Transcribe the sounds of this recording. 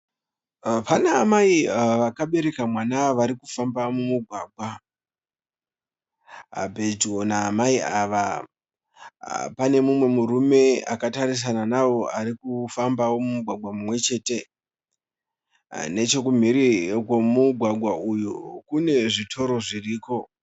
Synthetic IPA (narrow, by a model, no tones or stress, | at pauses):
panaːmaiʋakaɓe̞ɾe̞kamwanaʋaɾikufambamumuɡʱwaːɡʱwa | bʱe̞d͡ʒo̞naːmaiaːʋa | pane̞mumwe̞muɾume̞a̰kataɾis̬ananawo̞ʔaɾikufambawo̞mumuɡʱwaɡʱwamumwe̞t͡ʃe̞ːte̞ | ne̞t͡ʃe̞kum̤iɾikomuɡʱwaɡʱwaujukune̞ʐitʰo̞ɾo̞ʐiriːko̞